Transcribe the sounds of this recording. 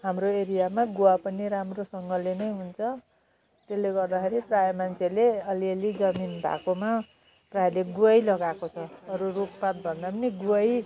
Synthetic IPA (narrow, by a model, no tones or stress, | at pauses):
ɦamroeɾijamaɡuwapʌniɾamrosʌŋɡʌlenʌjɦunt͡sʰʌ | t̪elːeɡʌrd̪akʰeɾiprajʌmant͡sʰeleʌliʌlid͡zʌminbʱa̰koma | prajleɡuʌjlʌɡakot͡sʰʌʌɾuruppat̪̚bʱʌnd̪apʌniɡuʌj